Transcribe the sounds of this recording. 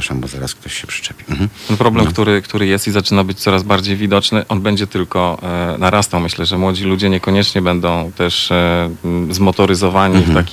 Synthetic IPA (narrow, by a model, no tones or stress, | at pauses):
aʂambɔzaɾa̰sk̚t̪ɔɕːɛpʂɘ̥t͡ʂɛpʲɛ̥t̪ɛnpɾɔblɛmkt̪uɾɘkt̪uɾɘjɛst̪izat͡ʂɘnabɘt͡ɕt̪sɔɾazbaɾd͡ʑejvʲid̪ɔt͡ʂnɘʔɔnbɛɲd͡ʑɛt̪ɘlkɔnaɾast̪awmɘɕlɛʐɛmwɔd͡ʑilud͡ʑɛɲɛkɔɲɛt͡ʂɲɛbɛnd̪ɔ̃w̃t̪ɛʂ | zmɔt̪ɔɾɘzɔvaɲift̪akʲi